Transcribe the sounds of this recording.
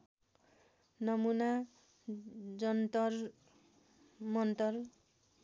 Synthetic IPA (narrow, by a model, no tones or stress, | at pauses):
nʌmuna | d͡zʌnt̪ʌr | mʌnt̪ʌr